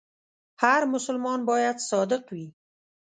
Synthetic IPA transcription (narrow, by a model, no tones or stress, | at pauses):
haɾmʊsʊlmɑnbɑjad̪sɑd̪ɪqwi